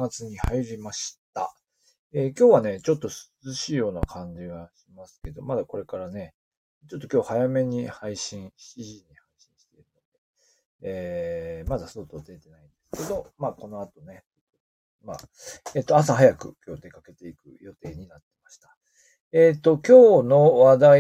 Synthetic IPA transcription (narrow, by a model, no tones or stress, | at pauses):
ɡat͡sɨɲ̟ihaiɾʲimaɕi̥t̪a̰ | eːkʲo̞ːβane̞t͡ɕo̞t̪ːo̞sɨ̥zɨɕiːjo̞ːnakʰãɲ̟d͡ʑiɡaɕimasɨ̥ke̞d̪o̞̰mad̪ako̞ɾe̞kaɾane̞ | t͡ɕo̞t̪ːokʲo̞ːhajame̞ɲ̟ihaiɕĩɰ̃ɕiʑiɲ̟ihaiɕĩɰ̃ɕi̥t̪e̞iɾɯ̟no̞d̪̥e̞ː | mad̪asot̪o̞d̪e̞t̪e̞naĩnd̪̥e̞sɨ̥ke̞d̪o̞maːko̞no̞at̪o̞ne̞t̪ | o | ma̰ːeːt̪ːo̞as̬ahajakɯ̟kʲo̞ːd̪e̞kake̞t̪e̞ikɯ̟̰jo̞t̪e̞ːɲ̟inat̪ːe̞̥maɕi̥t̪ḁ | eːt̪ːo̞kʲo̞ːno̞βad̪a